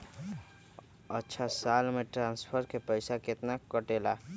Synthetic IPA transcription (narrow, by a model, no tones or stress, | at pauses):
ətːʃʰasaːlmẽʈɾãːnspʰəɾkepəɪsakɪt̪nakəʈeːla